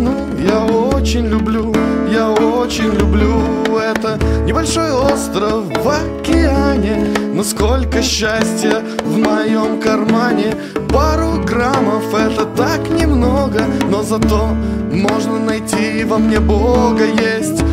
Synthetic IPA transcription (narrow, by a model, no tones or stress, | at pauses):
nu | jaoot͡ɕɪnʲlʲʊblʲujaot͡ɕɪnʲlʲʊblʲuɛt̪ənʲɪbɐlʲʂo̞jo̞st̪ɾəfːɐ | kʲɪanʲɪnosko̞lʲkəɕːasʲtʲjə | vmɐjo̞mkɐrmanʲɪ | baɾʊɡraməfɛt̪ət̪aknʲɪmnoɡəno̞zɐt̪o̞mo̞ʐnənɐjtʲivɐmnʲe̞boɡəjesʲtʲ